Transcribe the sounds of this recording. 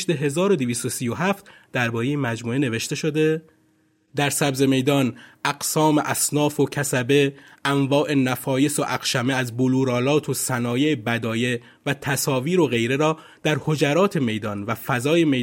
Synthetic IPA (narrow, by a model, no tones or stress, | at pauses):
ʃd̪e̞ɦe̞zɒːɾo̞d̪iviːst̪osiːjo̞ɦæft̪d̪æɾbɒːɾejemæd͡ʒmuːene̞ve̞ʃt̪e̞ʃo̞d̪e̞ | d̪æɾsæbze̞me̞jd̪ɒːnʔæɡsɒːme̞ʔæsnɒːfocʰæsæbe̞ʔæɱvɒːʔe̞næfɒːje̞soʔæqʃæmeæzboluːɾɒːlɒːt̪ʰosænɒːjeːbæd̪ɒːje̞ | væt̪ʰæsɒːviːɾo̞ɣe̞jɾe̞ɾɒː | d̪̥æɾho̞d͡ʒæɾɒːt̪ʰe̞me̞jd̪ɒːnvæfæzɒːje̞me̞